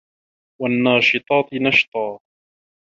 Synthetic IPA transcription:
wanːɑːʃɨt̪ˤɑːt̪nɑʃt̪ˤɑː

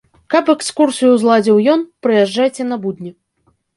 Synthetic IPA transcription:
kɐpɛkskursɨjuzlˠad͡zʲiwjɔnpɾɨjaʐːajt͡sʲɛnɐbud̪ʲnʲɛ

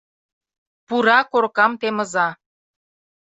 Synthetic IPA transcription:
puɾɑkorkɑmt̪emə̆zɑ

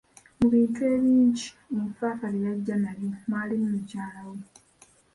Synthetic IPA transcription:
muβiːntue̞ːβiːɲɟi̥ | eɱfaːfalijaɟːanalimaːlimumucaːlawe

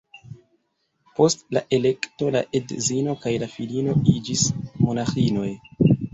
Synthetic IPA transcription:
po̞stlaʔe̞le̞kto̞la̰ʔedzino̞kajlafilino̞id͡ʒismo̞naxino̞j

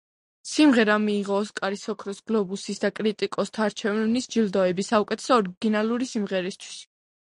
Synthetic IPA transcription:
simʁɛɾamiːʁɔskʼaɾisɔkʰɾɔsɡ̥lɔbusisd̪akʼɾit̪ʼikʼɔst̪ʰaːɾt͡ʃʰɛvnisd͡ʒild̪ɔɛbisaukʼɛt̪ʰɛ̥sɔːɾiɡinalˠuɾisimʁɛɾist̪ʰwi̥s

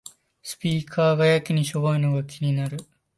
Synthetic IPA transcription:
sɨ̥pʲiːkʰaːɡajakʲiɲ̟iɕo̞βoino̞ɡakʲiɲ̟inaɾɯ̟

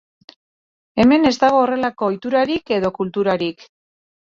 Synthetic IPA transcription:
e̞me̞ne̞zd̪aɣ̞o̞ːre̞lako̞ːjt̪uɾaɾike̞ðo̞kult̪uɾaɾik

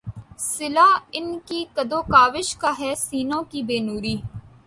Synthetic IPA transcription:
sɪlaːɪnkiːkəd̪oːkaːʋɪʃkaːɦɛːsiːnõːkiːbeːnuːɾiː

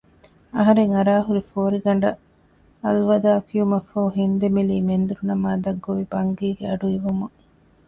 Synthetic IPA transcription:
ɐɦɐɾeŋɐɾaːɦuɾifoːɾiɡɐɳɖɐ | ɐlʋɐd̪aːkiumɐfoːɦind̪emiliːmend̪uɾunɐmaːd̪ɐɡːoʋibɐŋɡiːɡeɐɖuiʋumu

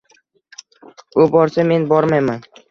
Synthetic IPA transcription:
ʊbɒɾsame̞nbɒɾmajman

